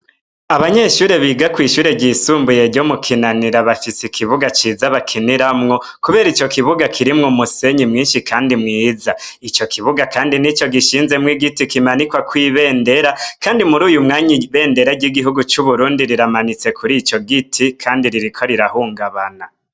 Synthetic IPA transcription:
aβaɲe̞ʃuːɾe̞βiːɡakwiːʃuːɾe̞ɟisuːmbuje̞ɾɟomukʰinaniɾaβafisikʰiβuɡat͡ʃiːzaβakʰiniɾamŋo | kuβe̞ːɾit͡ʃo̞kiβuɡakʰiɾimŋomuse̞ɲimŋiːnʃikʰaːndimŋiːzait͡ʃo̞kʰiβuɡakaːndinit͡ʃo̞ɡiʃiːnze̞mwiɡitikimanikwakwiːβe̞ːnde̞ɾakaːndimuɾuːjumŋaːɲiβe̞ːnde̞ɾaɟiɡiɦuɡut͡ʃuβuɾuːndiɾiɾamanit͡se̞kʰuɾit͡ʃo̞ɡitʰikʰaːndiɾiɾikʰo̞ɾiɾahuːŋɡaβana

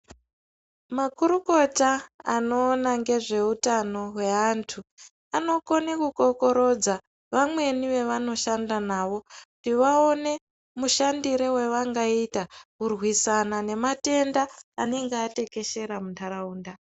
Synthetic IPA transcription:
makuɾuko̞taano̞ːnaŋɡe̞ʐe̞utano̞ɦwe̞antʰu | ano̞konekuko̞ko̞ɾo̞d͡za | ʋamwe̞niʋe̞ʋano̞ʃandanaːʋo̞ktiʋao̞ne̞ | muʃandiɾewe̞ʋaŋɡaitakurwisanane̞mate̞ndaːne̞ŋɡeate̞ke̞ʃe̞ɾamuntaɾauːnda

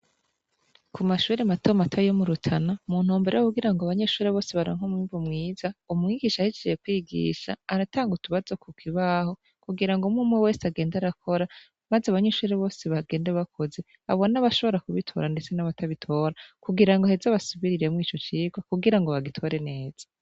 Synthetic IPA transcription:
kʰumaʃuːɾematʰomatʰajomuɾutʰanamuːn̥huːmbe̞ɾeokuɡiɾaŋɡoaβaɲeʃuːɾeβo̞ːseβaɾoŋ̥homwiːɱvumŋiːzaumŋiɡiʃahit͡ʃejekwiːɡḭːʃa̰ːɾataːŋɡutuβazokukʰiβaho̞ | kuɡiɾaŋɡomumwewe̞ːsaɡe̞ːndaɾakʰo̞ɾa | mazeaβaɲeʃuːɾeβo̞ːseβaɡe̞ːndeβakʰo̞ze̞ | a̰βo̞naβaʃo̞βo̞ɾakuβitʰo̞̰ːɾandet͡se̞naβataβitʰo̞ːɾakuɡiɾaŋɡahezaβasuβiɾiɾe̞mŋiːt͡ʃo̞t͡ʃiːɡwakuɡiɾaŋɡoβaɡitʰo̞ɾe̞ne̞ːz̥ḁ

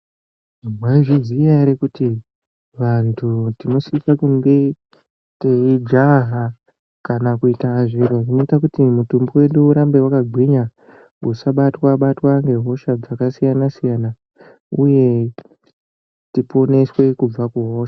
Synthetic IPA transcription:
ʐimwaʐizijaɾekuti | ʋantʰutino̞sisakuŋɡe̞ | teid͡ʒaɦa | kanakuitaʐiɾoʐino̞itakutimutumbiwe̞ɗuːɾambe̞wakaɡʱwiɲa | usaɓatwaɓatwaŋɡe̞ɦo̞ʃad͡zakasijanasijana | uje̞ | tipo̞ne̞swe̞kub͡vakuɦo̞ːʃḁ

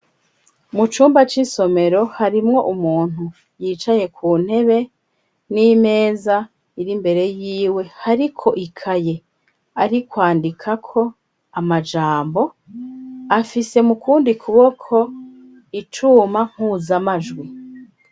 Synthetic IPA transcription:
mut͡ʃuːmbat͡ʃiso̞me̞ɾo̞haɾimŋo̞ʔumuːn̥hu | jiːt͡ʃaje̞kʰuːn̥he̞βe̞ | nime̞ːza | iɾimbe̞ɾe̞jiːwe̞haɾikʰo̞ʔikʰaje̞ | aɾikwaːndikʰakʰo̞ | amad͡ʒaːmbo̞ | afise̞mukuːndikʰuβo̞kʰo̞ | it͡ʃumaŋ̥huzamaʒɡwi

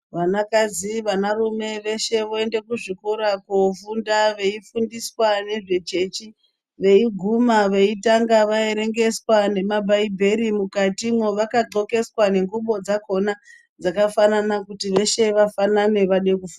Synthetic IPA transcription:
ʋanakaziʋanarume̞ʋe̞ʃe̞ʋoe̞nde̞kuʐikuɾakofundaʋe̞ifundiswane̞ʐe̞t͡ʃe̞t͡ʃi | ʋe̞iɡʱumaʋe̞itaŋɡaʋae̞ɾe̞ŋɡe̞swane̞mabʱaibʱe̞ɾimukatimwoʋakaɡ͡ǃo̞ke̞swane̞ŋɡuɓo̞d͡zako̞na | d͡zakafananakutiʋe̞ʃe̞ʋafanane̞ʋaɗekufunda

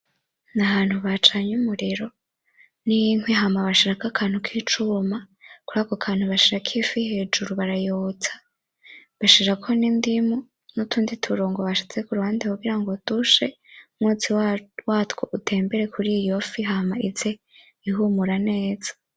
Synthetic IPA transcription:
naβaːnhuβat͡ʃaɲumuɾiɾo̞ | nijiŋweɦamaβaʃiɾakakʰaːn̥hukʰiːt͡ʃuma | kuɾaːkokʰaːnhuβaʃiɾakʰifihe̞ːd͡ʒuɾuβaɾajoːt͡sḁ | βaʃiɾakʰo̞niːndimu | nutʰuːnditʰuɾoːŋɡoβaʃit͡se̞kuɾuhaːndekuɡiɾaŋɡotuʃe̞ | mŋut͡siwwatkoʔutʰe̞ːmbe̞ɾe̞kʰuɾijo̞fiɦamaize̞ | iɦumuɾane̞ːz̥ḁ

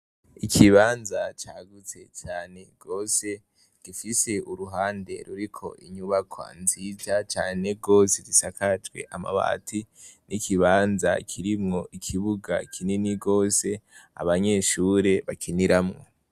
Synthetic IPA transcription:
ikʰiβaːnzat͡ʃaːɡut͡se̞̰t͡ʃaːne̞ɡ̥o̞ːse̞ | ɡ̥ifise̞uɾuɦaːnde̞̰ɾuɾikʰo̞̰ʔḭɲuβakʰwa̰nziːzat͡ʃaːne̞ɡo̞ːsedisakad͡ʒɡwe̞̰ʔama̰βa̰tʰinʔikʰiβaːnza̰kʰiɾimŋo̞ʔikʰiβuɡa̰kʰininiɡo̞ːse̞a̰βaɲe̞ːʃuːɾe̞βakʰiniɾamŋo̞

